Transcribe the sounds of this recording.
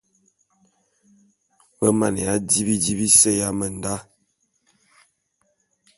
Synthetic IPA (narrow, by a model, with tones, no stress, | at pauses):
bə˦ma˨ne˨a˦di˦bi˦di˦bi˦se˦ja˦mə˨n˨da˦